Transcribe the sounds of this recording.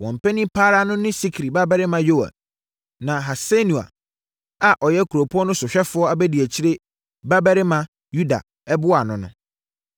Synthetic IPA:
wɔ̃˨m̩˨pʰɛ˦nĩ˦pʰaː˦ɾa˦nʊ̃˦nɪ̃˦si˦kʰɾi˨ba˦bɛ˦ɾɪ˦mã˨jo˦a̰˨ | nã˨ɦa˨se˦nũ˨a̰˨ | a˨ʔɔ˨jɛ˦kʰu˨ɾo˨pʰʊ˦ɔ˦nʊ̃˦sʊ˨ɕᶣɛ˦fʊ˨˦ɔ˦a˨bɛ˦di˨æ˨t͡ɕʰi˦ɾe˦ | ba˦bɛ˦ɾɪ˦mã˨ | ju˦da̰˨ | ɛ˦bʊ˦a˨nʊ̃˨nʊ̰̃˨

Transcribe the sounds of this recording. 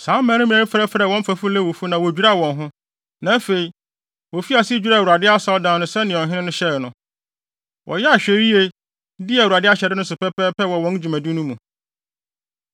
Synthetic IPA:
sãː˨˦mã˨˦nʊ̃˦mĩ˨ã˨˦fɛ˦fɾɛ˨wɔ̃˦m˦fæ˨fʊ˦lɛ˦˨wo˨fu˦nã˨wo˨d͡ʑᶣi˦ɾa˦˨wɔ̃˨nɦʊ̃˦ | nã˨˦fe˨i˨ | wɔ˨fi˦a˨sɪ˦d͡ʑᶣɥɾa˦˨u˨a˨dɪ˦a˦sa˦ɔ˦dãː˨˦nʊ̃˦sɛ˦nɪ̃˨ɔ̃˨ɦɪ̃˦ɪ̃˦nʊ̃˦ɕɛ˦ɾnʊ̃˦ | wʔɔ̰˨jɛ˦a˨ɕᶣɛ˨ɾi˦e˨˦ | di˦ɛ˨u˨ɾa˨dɪ˦a˦ɕᶣɛ˨dɪ˦nʊ̃˦sʊ˨pɛ˦pɛː˦pʰɛ˦wɔ˨wɔ̃˦n˦d͡ʑᶣu˨mæ̃˨du˦nũ˦mũ˨

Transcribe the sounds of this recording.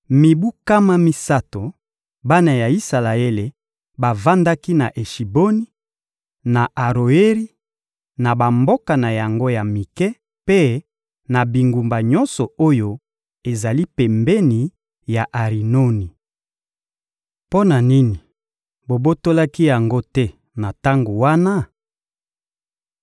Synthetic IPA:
mi˨bu˦ka˦ma˦mi˦sa˦to˨ | ba˦na˨ja˨i˦sa˨la˨e˦le˨ | ba˨va˦nda˦ki˦na˨ʔe˨ʃi˨bo˦ni˦ | na˨ʔa˨ʁo˨e˦ʁi˦ | na˨ba˨mbo˦ka˨na˨ja˨ŋɡo˦ja˨mi˨kɛ˦ | pe˦ | na˨bi˨ŋɡu˨mba˨ɲɔ˦nsɔ˨o˦jo˦ | e˨za˨li˦pɛ˨mbɛ˦ni˨ | ja˨ʔa˨ʁi˨no˦ni˨ | po˦na˨ni˦ni˨ | bo˨bo˦to˦la˦ki˦ja˨ŋɡo˦tɛ˦ | na˨ta˦ŋɡo˨wa˦na˦

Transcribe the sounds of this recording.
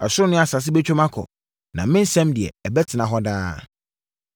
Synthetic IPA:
a˨sʊ˦ɾʊ˦nʊ̃˦a˨sa˨s̬ɪ˦bɛ˦t͡ɕᶣo˦mã˦kʰɔ̰˨ | nã̰˨mɪ̃˦n̩˦sɛ̃˦mdɪ˨ɛ̰˨ɛ˨bɛ˦tʰɪ˨nã˨ɦɔ˦daː˦

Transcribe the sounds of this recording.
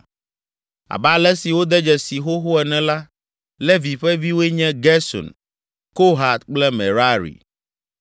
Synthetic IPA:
a̰˨ba˦˨lɛ˦si˨wo˦d̪ɛ˦d͡ʒɛ˨si˨xo˦xo˦ɛ˨nɛ̃˨la˦ | lɛ˦vi˨ɸɛ˦vi˦we˦ɲɛ̃˦ɡɛ˦sɔ̰˨n | ko˦ɦa˨t̪̚k͡plɛ˦mɛ̰˨ɾa˦ɾḭ˨

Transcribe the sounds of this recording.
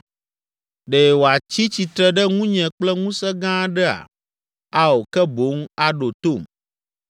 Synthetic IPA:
ɖe˨wo˨a˨t͡ɕi˦t͡ɕi˨t̪ɾɛ˦ɖɛ˦ŋũ˦ɲɛ̃˨k͡plɛ˦ŋũ˦sɛ˦ɡã˦ɖɛ˦a̰˨ | a˦wo˨kɛ˦bo˨˦ŋ˦a˦ɖo˨t̪o˦˨m

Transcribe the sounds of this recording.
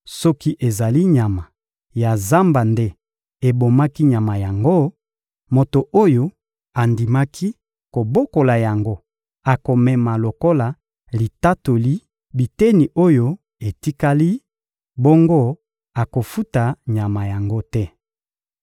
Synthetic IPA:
sɔ˦ki˦ʔe˨za˨li˦ɲa˨ma˨ | ja˨za˦mba˨nde˦ | e˨bo˨ma˦ki˦ɲa˨ma˨ja˨ŋɡo˦ | mo˨to˨ʔo˦jo˦ | a˨ndi˨ma˦kʰi˦ | ko˨bo˦ko˨la˨ja˨ŋɡo˦ | a˨ko˨mɛ˨ma˨lo˨ko˦la˨ | li˨ta˦to˨li˦ | bi˨te˦ni˨ʔo˦jo˦ | e˨ti˦ka˦li˦ | bɔ˦ŋɡo˦ | a˨ko˨fu˦ta˨ɲa˨ma˨ja˨ŋɡo˦tɛ˦

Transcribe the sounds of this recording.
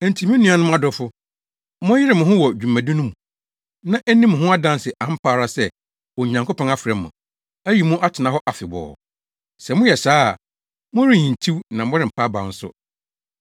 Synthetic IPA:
ɛ˨n˨tʰi˨˦mĩ˦nũ˦a˨˦nʊ̃˦m˦a˦dɔ˨fʊ˦ | mʊ̃˦jɪ˦ɾɪ˨mʊ̃˨ɦʊ̃˦wɔ˨d͡ʑᶣu˨mã˨dĩ˦nʊ̃˦mũ˨ | nã˦ʔɛ˦nĩ˦mʊ̃˨ɦʊ̃˦a˦dã˦n˦sɪ˨ʔã˨m̩˦pʰaː˦ɾa˦sɛ˦ | wɔ˨ɲã˨ŋkʰʊ˦pʰɔ̃˦ŋa˦fɪ˨ɾɛ˨mːʊ̰̃˨ | æ˦ji˨mũ˦ʔa˦tʰɪ˨nã˦ɦɔ˦ʔa˨fɪ˨bɔ̰ː˨ | sɛ˨mʊ̃˦jɛ˨saː˦˨ | mʊ̃˦ɾĩ˦˨ɲĩ˨n˨tʰi˦wnã˨m˦ɔ˦ɾɪ˨m̩˨pʰa˦ba̰˨n̩˦sʊ̰˦

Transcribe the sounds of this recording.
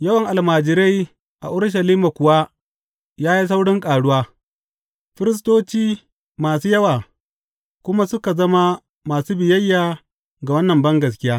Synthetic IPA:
jɐ˦wɐ˨ŋʔa˨lmaː˨d͡ʒɪ˨ɾe˦j | ʔa̰˨ʔʊ˦ɽʃ̬ɐ˨liː˦ma˨kʷʊ˨wa˦ | jaː˦ji˦s̬a˦wɽɪ˦ŋkʼaː˨ɽʊ˦waː˦ | ɸɪ˦ɾɪ˦s̬toː˦t͡ʃiː˦ | maː˨suː˦jɐ˦waː˨ | kʷʊ˦ma˦sʊ˦ka˨zɐ˦ma˦ | maː˨suː˦bɪ˨jɐ˦jːaː˨ | ɡa˨wɐ˦nːɐ˨mbɐ˦ŋɡɐ˨s̬kʲɪ˦jaː˦

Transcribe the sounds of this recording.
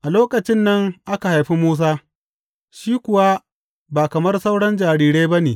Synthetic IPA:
ʔa˨loː˦kɐ˨t͡ʃɪ˦nːɐ˦ŋʔa˦ka˨ha˨jɸi˦moː˦s̬aː˦ | ʃiː˦kʷʊ˨wa˦ | baː˨kɐ˨mɐ˦rsa˦wɽɐ˦nd͡ʒaː˨ɽiː˨ɽeː˦bɐ˦neː˨

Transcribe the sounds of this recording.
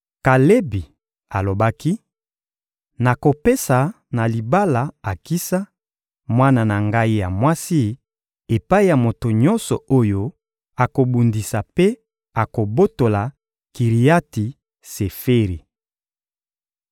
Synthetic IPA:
ka˨le˦bi˨ | a˨lo˨ba˦ki˦ | na˨ko˨pe˦sa˨ | na˨li˨ba˦la˨a˨ki˦sa˦ | mwa˦na˨na˨ŋɡa˦i˦ja˨mwa˦si˦ | e˨pa˦i˦ja˨mo˨to˨ɲɔ˦nsɔ˨o˦jo˦ | a˨ko˨bu˨ndi˨sa˨pe˦ | a˨ko˨bo˦to˨la˨ | ki˨ʁi˨ja˦ti˨ | se˨fe˦ʁi˨

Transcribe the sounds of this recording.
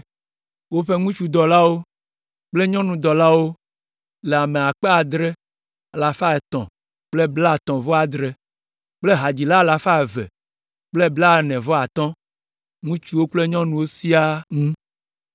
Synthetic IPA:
wo˦ɸe˦ŋũ˦t͡ʃu˦d̪ɔ˨la˦wo˦ | k͡ple˦ɲɔ̃˦nũ˨d̪ɔ˨la˦wo˦ | le˨a˨me˨a˨k͡pe˦a˨d̪ɾɛ˦ | a˨la˨fa˦ɛ˨t̪ɔ̰̃˨ | k͡ple˦bla˦˨t̪ɔ̃˨vɔ˦a˨d̪ɾe˦ | k͡ple˦ɦa˨d͡ʑi˨la˦˨la˨fa˦ɛ˨vɛ̰˨ | k͡ple˦bla˦˨nɛ̃˨vɔ˦a˨t̪ɔ̃˦ | ŋũ˦t͡ʃu˦wo˦k͡ple˦ɲɔ̃˦nũ˨wo˦si˦a˦ŋũ˦

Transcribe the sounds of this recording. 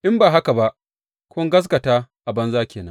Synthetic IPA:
ʔɪ˦mbaː˨ɦa˦ka˨ba˦ʔ | kʷoː˦ŋɡɐ˦s̬kɐ˨taː˦ʔa˨bɐ˦nzaː˦kʲeː˨nɐ˦ŋ

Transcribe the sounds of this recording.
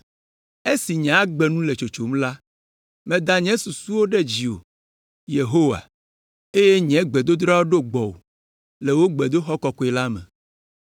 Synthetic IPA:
e˦si˨ɲã˨a˦ɡ͡bɛ˨nũ˦le˨t͡ʃo˨t͡ʃo˨mla˦ | mɛ̃˨d̪a˨ɲɛ̃˦su˨su˦wo˦ɖɛ˦d͡ʑi˨o̰˨ | je˨ɦo˦wa̰˨ | e˦je˦ɲɛ̃˨˦ɡ͡bɛ˨d̪o˦d̪ɾa˦wo˦ɖo˦ɡ͡bɔ˨wo̰˨ | le˨wo˦ɡ͡bɛ˨d̪o˦xɔ˦kɔ˨kɔ˦ɛ˨la˦mɛ̰̃˨

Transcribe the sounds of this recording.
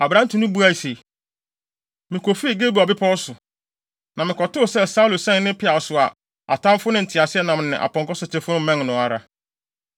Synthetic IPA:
a˨bɾã˦n˦tʰu˨nʊ̃˦bu˦a˦˨i˨se˨ | mɪ̃˨kʰo˨fi˦˨ɡe˦bu˨ɔ˨bɪ˦pʰɔ˦sʊ˨ | nã˨mɪ̃˨kʰɔ˨tʊ˦˨sɛ˦sa˦u˦lo˨sɛ̃˦nɪ̃˦pʰɪ˦a˨sʊ˨a˨ | a̰˨tʰã˦m˦fʊ˦nʊ̃˦n̩˨tʰɪ˨a˨sɪ˦ɛ˦nã˨m˨nɪ̃˨ʔa̰˨pɔ̃˨ŋkɔ˦sʊ˨tʰɪ˦fʊ˦nʊ̃˦mɛ̃˦ŋnʊ̃˨a˨ɾa˨

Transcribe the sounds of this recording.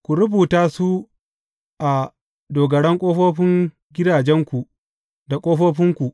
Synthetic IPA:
kʷu˨ɾʊ˦buː˨taː˦su˦ | ʔa˨ | doː˨ɡɐ˨ɽɛ˦ŋkʷʼoː˦ɸoː˦ɸɪ˦ŋ | ɡʲɪ˦daː˨d͡ʒɛ˦ŋkʷu˨ | da˨kʷʼoː˦ɸoː˦ɸɪ˦ŋkʷu˨ʔ

